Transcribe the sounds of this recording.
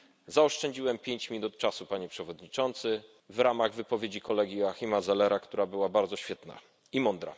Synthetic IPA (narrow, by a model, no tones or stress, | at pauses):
zaɔʂt͡ʂɛɲd͡ʑiwɛmpʲjeɲt͡ɕmʲinut̪̚t͡ʂasupaɲɛpʂɛvɔd̪ɲit͡ʂɔnt̪sɘ | vɾamaɣvɘpɔvʲjed͡ʑikɔlɛɡʲjiaxʲimazɛlɛɾakt̪uɾabɘwabaɾd̪zɔɕfʲjɛt̪na̰ | imɔnd̪ɾa̰